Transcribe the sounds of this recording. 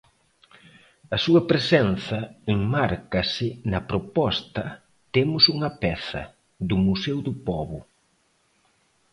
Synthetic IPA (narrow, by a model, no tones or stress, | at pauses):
ɐsuɐpɾesɛnθɐeŋmaɾkɐsɪnɐpɾopɔst̪ɐ | t̪emʊsuŋɐpɛθɐ̰ | ðʊmusɛwðʊpɔβʊ